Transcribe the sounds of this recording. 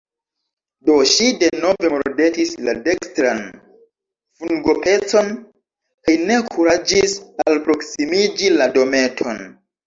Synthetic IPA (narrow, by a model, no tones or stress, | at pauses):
do̞ʃide̞no̞ve̞moɾɾde̞tislade̞kstɾan | fuŋɡo̞pe̞t͡so̞n | kajne̞kʰuɾad͡ʒisalpɾo̞ksimid͡ʒilado̞me̞tʰo̞n